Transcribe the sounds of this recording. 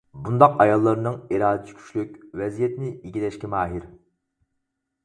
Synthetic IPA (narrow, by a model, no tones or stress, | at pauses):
bund̪ɑqɑjɑlˠːɑɾɨnɨŋiɾɑːd̪ɪt͡ʃʰi̥kʲʰy̥t͡ʃlykʲvɛzijɛt̪nɪiɡʲilɛʃkʲimɑːɦiɾ